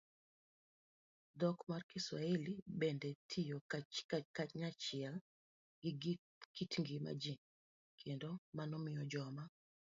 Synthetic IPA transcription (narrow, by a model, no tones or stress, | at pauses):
d̪ɔkmarkɪswa̰elibɛndɛtʰijo | kaɲat͡ʃɪɛl | kitŋɡima̰d͡ʒi | kʰendomanɔmɪjɔd͡ʒɔma